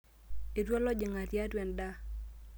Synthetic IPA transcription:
e˨twɔ˦lɔ˦d͡ʒɪ˨ŋa˨tja˦dwɛ˨nda˦

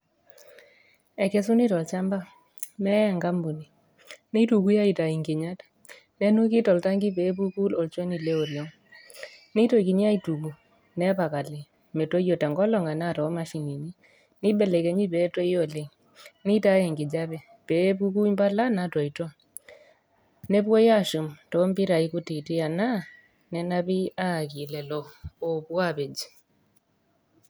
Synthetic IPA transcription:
ɛ˨kɛ˦s̬u˦ni˦tɔ˨lt͡ʃa˦mba˦ | nɛ˦a˨ŋɡa˦mbu˨ni˨ | ne˦tu˨ku˦ja˦i˨ta˨i˨ŋɡe˨ɲa˦t | nɛ˦nu˦kɪ˦tɔ˨lta˦ŋɡi˦pɛ˨˦pu˦ku˦lɔ˨lt͡ʃo˦ni˨le˦o˨ɾjɔ˦ŋ | nɪ˦to˨ki˨ɲ˦a˦i˨tu˨bo˨ | nɛ˦pa˨ka˨lɪ˨ | mɛ˨to˦jo˨ta˨ŋɡɔ˦lɔ˨ŋa˨na˦˨tɔ˨˦ma˦ʃi˨ni˨ni˦ | ni˦ɓɛ˨le˨ke˨˦ɲi˦pɛ˦to˦i˦o˦˨le˨ŋ | nɪ˦ta˦jɛ˨ŋɡɪ˨d͡ʒa˦βɛ˨ | pe˦pu˦ku˦mba˦la˦na˦tɔ˨i˨tɔ˦ | nɛ˦pwɔ˦ja˦ʃu˨mtɔ˨˦mbi˦ɾa˨i˦ku˦ti˨ti˦a˨na˦ | nɛ˦na˦bi˦a˦˨ki˨lɛ˨lɔː˨pwa˦pe˨d͡ʒi˨

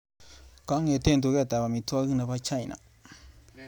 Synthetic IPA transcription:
ka˦ŋẽ˧˨˧t̪e˦˨nt̪u˧ɣe˦˨t̪a˨βa˨mĩ˧t̪u˦a˦ɣɨ˦˧nã˧βa˧t͡ʃa˦i˨nã̰˨

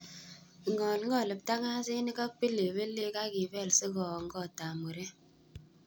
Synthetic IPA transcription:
ŋɡɔ˨lŋ̩˦ɡɔ˦˨lə˨p̚ta˦ka˦zi˦ni˦ka˦k͡pi˦le˨be˦le˦ka˦ɡi˨vɛ˦˨lsi˦ɣɔ˨ŋ̩˦ɡɔ˦˨ta˨mu˨ɾe˦

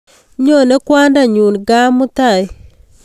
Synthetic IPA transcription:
ɲo˦˨ne˦kwa˦nda˦˨ɲu˨nɡa˦mu˦ta˨j

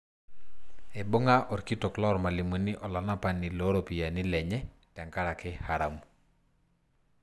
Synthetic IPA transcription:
e˨bo˦ŋa˦ʔɔ˨ɾki˦to˨klɔ˦ɾma˨li˨mu˨ni˦ʔɔ˨lɔ˨na˦pa˦nːi˨lo˦ɾo˨pi˨ja˨nɪ˦lɛ˨ɲɛ˦ | tɛ˨ŋka˦ɾa˨kɪ˦ha˨ɾa˨mu˨

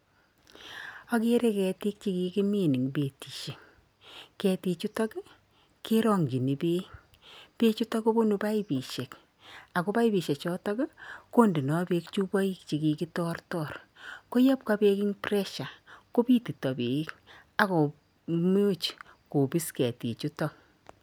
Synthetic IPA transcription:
a˦ke˦ɾe˦kɛ˨ti˦k̚t͡ʃi˦ki˨ki˦me˦˨ni˨ŋbe˨ti˨ʃe˨ŋ | kɛ˨ti˨t͡ʃu˦tɔ˦k | ke˦ɾɔ˦˨ŋɡi˨ni˨be˦ | pe˦t͡ʃu˦tɔ˦ko˦bo˦nu˨pa˦i˦bi˨ʃe˨k | a˨ko˦pa˦ibi˨ʃe˨t͡ʃɔ˦tɔ˦kko˦ndi˨nɔ˨be˨kt͡ʃu˦bɔ˦i˦kt͡ʃi˨ki˨ki˦tɔrtɔ˨r | ko˦ja˦p̚ka˦pe˦kɪ˦ŋprɛ˦ʃa˨ko˦pi˦ti˨tɔ˨bḛ˨˦k | a˨ko˨ | m˦o˦t͡ʃ | ko˨pi˦skɛ˨tḭ˨t͡ʃu˦tɔ˨k̚

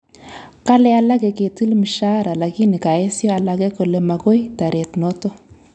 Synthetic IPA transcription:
ka˦lɛ˦a˦la˦ɡe˨ke˨t̪i˦lmi˨ʃa˦ɾa˨la˨ki˦ni˨ka˨e˦so˦a˨la˧ɡe˦ko˨le˨ma˨ɡo˦jt̪a˨ɾe˨t̪no˦t̪o˦

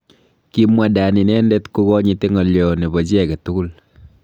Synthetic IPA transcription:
ki˦mwa˨da˨ni˨nɛ˦ndɛ˦tku˦kɔ˦ɲi˨te˦ŋɔ˨ljɔ˨ne˨bɔ˨d͡ʒɛ˨kɛ˨tu˦ku˦l

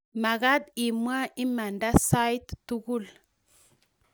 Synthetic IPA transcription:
ma˨ɣa˦d̪i˨mwa˦i˦ma˨nda˦sa˦jt̪ːu˦ɡu˦˨l

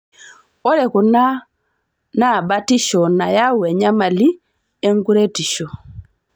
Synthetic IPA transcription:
ɔ˦ɾɛ˨ku˨na˦ | na˦˨ba˦ti˦ʃɔ˨na˨ja˦wɛ˨ɲa˦ma˨li˦ | e˦ŋɡu˦ɾe˦ti˨ʃo˨

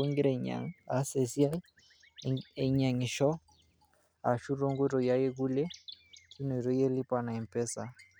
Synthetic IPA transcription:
u˦ŋɡi˦ɾɛ˨ɲa̰˨ŋa˨˦se˨si˦a˦ | ɛ˨ɲa˨ŋi˨ʃɔ˦ | a̰˨ʃu˦ɾo˦ŋɡwɾɔ˨ja˦je˦ɡu˦lɛ˦t͡ʃu˦nɔ˨i˨ɾɔ˦je˦li˦pa˨na˨ɛ˨m˨pɛ˦sa˨

